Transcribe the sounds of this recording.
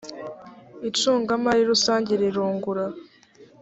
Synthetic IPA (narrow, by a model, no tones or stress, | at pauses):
it͡ʃuːŋɡamaɾiɾusaːɲɟiɾeɾuːŋɡuɾa